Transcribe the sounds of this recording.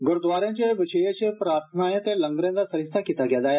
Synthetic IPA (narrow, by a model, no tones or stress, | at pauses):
ɡəɾd̪ʋaɾjãɲt͡ɕeʋiɕəjet͡ɕepɾaɾt̪ʰənajẽt̪eləŋɡɾjãnd͡z̪asəɾist̪ʰakit̪aɡjad͡zaja